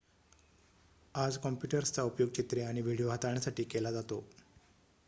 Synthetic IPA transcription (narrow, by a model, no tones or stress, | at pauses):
ad͡zkɔmpjuʈəɾst͡saupjoɡ̚t͡ɕit̪ɾeaɽ̃iʋʱiɽijoɦat̪aɳjasaʈiːkelad͡zat̪o